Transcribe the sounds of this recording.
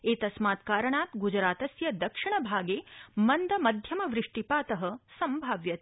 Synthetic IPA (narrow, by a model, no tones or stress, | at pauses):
eːt̪ɐsmaːt̪kaːɾɐɳaːt̪ɡud͡ʒɾaːt̪ɐsjɐd̪ɐkʂiɳ̃ɐbʱaːɡeːmɐnd̪ʱɐmɐd̪ʱjɐmɐʋɾɪʂʈipaːt̪ɐɦɐsɐmbʱaːʋjɐt̪